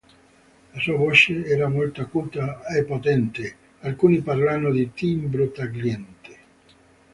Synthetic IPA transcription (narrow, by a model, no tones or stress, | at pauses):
lasuːavot͡ʃeɛːɾamolt̪oakuːt̪aepːot̪ɛnt̪e | alkuːniparlanːod̪it̪imbɾot̪aɡljɛnt̪e